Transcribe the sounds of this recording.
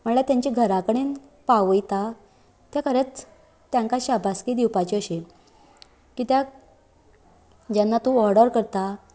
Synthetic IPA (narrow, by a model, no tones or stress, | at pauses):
m̤əɳɭat̪jãɲt͡ɕiɡʱəɾakəɽ̃en | paʋəjt̪a | t̪jakʰəɾet͡s | t̪ːjãŋkaɕabʱaskid̪iwpat͡ɕiəɕi | kiːt̪ja | d͡ʑanːat̪ũɔɾɖəɾkəɾt̪a